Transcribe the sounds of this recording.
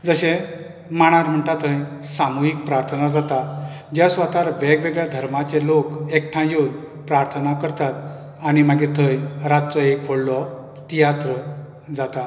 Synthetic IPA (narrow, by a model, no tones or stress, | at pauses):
d͡zəɕẽ | maɽ̃aɾm̤əɳʈ̪at̪ə̃jsamuɦik̚pɾaɾt̪ʰənad͡zat̪a | d͡ʑjasʋat̪aɾʋɛɡʋeɡɭjad̪ʱəɾmat͡ɕelokek̚ʈʰãjod̪ | pɾaɾt̪ʰənakəɾt̪at̪ | añimaɡit̪ʰəjɾat̪̚t͡sɔekʰoɽlɔ | t̪ijat̪ɾə | d͡zat̪a